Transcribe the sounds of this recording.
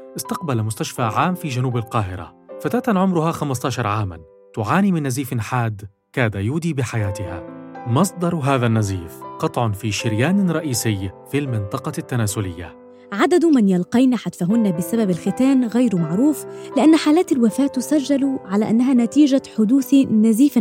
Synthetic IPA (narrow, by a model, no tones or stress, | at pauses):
ʔɪst̪ɑqbalmʊst̪aʃfaːʕaːmfiːd͡ʒanuːbalqɑːɦɪɾa̰fat̪aːt̪anʕʊmɾʊhaxamast̪ɑːʃɑɾˤʕaːma̰n | t̪ʊʕaːniːmɪnːaziːfɪnħaːd̪ | kaːd̪ajuːd̪iːbɪħajaːt̪ɪha̰mɑsˤd̪ˤɑɾˤɦaːðanːaziːfqɑt̪ˤʕʊnfiːʃɪɾjaːnɾˤɑʔiːsɪjfilmɪnt̪ˤɑqɑt̪ːanaːzʊlɪjːa̰ | ʕad̪ad̪mɪnjɑlqɑjnaħad̪faɦʊnːabɪsababalxɪt̪aːnɣajɾmaʕɾuːflɪʔanːħaːlaːt̪alwafaːʔt̪ːʊsad͡ʒːalʕalaːʔanːaɦaːnat̪iːʒaħʊd̪uːθnaziːf